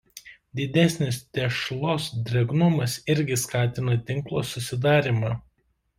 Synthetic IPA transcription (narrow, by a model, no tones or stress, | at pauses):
d̪ʲɪd̪ʲɛsʲnʲɪst̪ʲɛʃlˠoːsd̪ʲɾʲɛɡnʊmɐsɪɾʲɡʲɪskɑːt̪ʲɪnɐt̪ʲɪŋklˠo̰ːsʊsʲɪd̪̬ɑːɾʲɪmɑː